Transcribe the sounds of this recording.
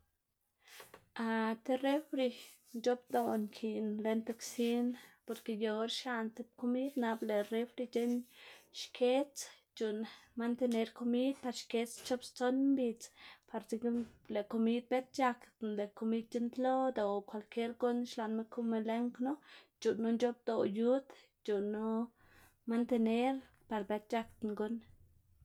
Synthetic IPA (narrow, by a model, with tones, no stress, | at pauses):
a˧t̪e˧re˦fɾi˧ | nd͡ʒo˦bd̪o˧nkʰi˧nle˧nt̪o˧ksi˦npo˨ɾke˧jo˧˦ɾʃa˧ʔnt̪e˧ko˧mi˦d̪na˧ble˨re˦fɾi˧t͡ʃe˦nʃkʰe˦t͡s | t͡ʃu˨nma˧nt̪e˧ne˧ɾko˧mi˦d̪̚pa˧ɾʃke˧t͡st͡ʃo˦bst͡so˦nmbi˧t͡spa˨˧ɾzi˧ɡle˨ko˧mi˦d̪̚be˦t̪̚t͡ʃa˧kt̪nle˨ko˧mi˦d̪̚t͡ʃi˦nt̪lo˦d̪a˨o˨kʷa˧˨lkʰe˦ɾɡo˦nʃla˧nme˧ko˧me˧le˦ŋkno˦t͡ʃu˨no˦nt͡ʃo˦b̚d̪o˧ju˦d̪ | t͡ʃu˨no˦ | ma˦nt̪e˧ne˦ɾ | pa˨˧ɾbe˦t̪̚t͡ʃa˧kt̪ŋɡo˧n